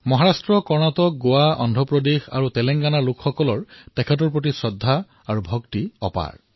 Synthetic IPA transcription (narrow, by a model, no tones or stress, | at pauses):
mɔɦaɹastɹɔkɔɹnatɔk̚ɡowaʔɔ̰ndʱɔpɹɔdexa̰ɹutɛlɛŋɡanalʊkʰxɔkɔlɔɹtɛkʰɛt̬ɔɹpɹot̬isɔdʱːa | aɹubʱɔktiɔ̰pa̰ɹ